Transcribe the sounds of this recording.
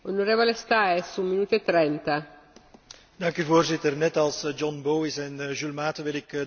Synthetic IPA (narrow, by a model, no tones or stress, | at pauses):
onoɾeːvolest̪aesumːinuːt̪oet̪ːɾɛnt̪a | dɑŋkyːvoːrzɪtərnɛtɑlˠsd͡ʒɔnboːwɪsɛnʒylmaːtəʋɪlɪk